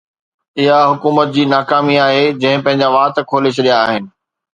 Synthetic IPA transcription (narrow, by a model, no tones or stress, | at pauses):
ɪɦaɦʊkuːmət̪̚d͡ʑiːnaːkaːmiaːɦed͡ʑɐ̃ɦɪ̃pɐ̃ɦɪ̃ɲd͡ʑaʋaːt̪kʰoːlɪʃɗijaːɦɪnɪ̆